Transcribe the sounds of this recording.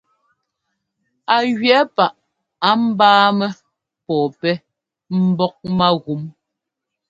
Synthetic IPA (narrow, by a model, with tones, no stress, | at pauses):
a˨ɣɥɛ˨˦pa˦˨ʔ | a˨˦m̩˦baː˦mɛ˦ | pɔː˨pɛ˦ | m̩˦bɔ˦k̚ma˦ɣu˨˦m